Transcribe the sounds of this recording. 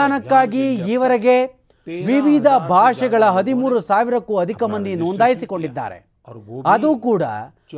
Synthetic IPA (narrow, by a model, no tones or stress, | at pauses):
aːnɐkːaːɡiiːʋɐɾeɡe̞ | ʋiʋid̪ʱɐbʱaːʂɛɡɐɭɐɦɐd̪imuːɾusaːʋiɾɐkːuɐd̪ʱikɐmɐnd̪ʱinoːnd̪aːjisiko̞ɳɖid̪ːa̰ːɾe̞̰ | ɐd̪uːkuːɽɐ̰